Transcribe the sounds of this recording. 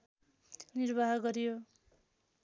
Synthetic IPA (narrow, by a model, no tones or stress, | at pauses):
nirbʱaɦɡʌɾijo